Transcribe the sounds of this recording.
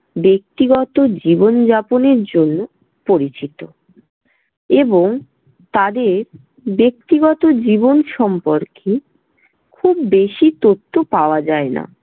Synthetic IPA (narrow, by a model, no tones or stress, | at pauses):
bek̚t̪iɡɔt̪od͡ʑibond͡ʑaponeɾd͡ʑonːo | poɾit͡ɕit̪o | eboŋ | t̪ad̪eɾ | bek̚t̪iɡɔt̪od͡ʑibonʃɔmpoɾkʰe | kʰubːeʃit̪ot̪ʰːopaoad͡ʑaena̰